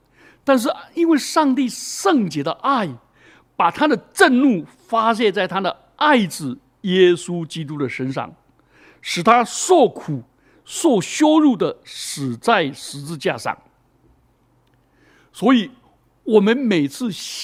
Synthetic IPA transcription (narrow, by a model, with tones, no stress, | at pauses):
t̪a˥˧nʂ̬ɻ̩˥˧i˥nwe˥˧ɪʂɑ˥˧ŋt̪i˥˧ʂɤ˥˩ŋt͡ɕjɛ˧˥d̪ə˧ʔa˥˩ɪ | pa˨˩t̪ʰa˥d̪ə˨ʈ͡ʂə˥˧nlu˥˩ | fa˥ɕ̬jɛ˥˧nt͡sa˥˩ɪt̪ʰa˥d̪ə˨ | a˥˩ɪʈ͡ʂɻ̩˨˩ | jɛ˥su˥t͡ɕi˥t̪̬u˥d̪ə˨ʂə˥nʂɑ̰˥˩ŋ | ʂɻ̩˨˩t̪ʰa˥swɔ˥˩kʰu˨˩˦ | swɔ˥˩ɕjo˥ʊɻu˥˩d̪ə˩ʂɻ̩˨˩t͡sa˥˩ɪʂɻ̩˧˥t͡sɹ̩˥˧t͡ɕja̰˥˧ʂɑ̰˥˩ŋ | swɔ˧˥i˨˩˦ | wɔ˨˩mə˦nme˨˩ɪt͡sʰɹ̩˥˩ɕ